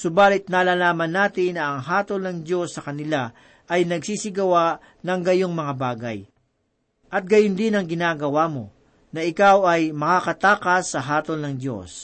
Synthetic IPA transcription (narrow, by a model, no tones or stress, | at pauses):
sʊbaːlɪt̪̚naːlalaːmɐnːaːt̪ɪnːɐːŋɦaːt̪olnɐŋd̪jo̞sːɐkɐnɪla | ʔɐjnɐɡsiːsɪɡɐwa | nɐŋɡɐjoŋmɐŋabaːɡɐ̰j | ʔɐt̪̚ɡɐjʊnd̪ɪnɐŋɡɪnaːɡɐwamo̞̰ | nɐɪkawɐjmɐkakɐt̪aːkɐsːɐɦaːt̪olnɐŋd̪jo̞̰s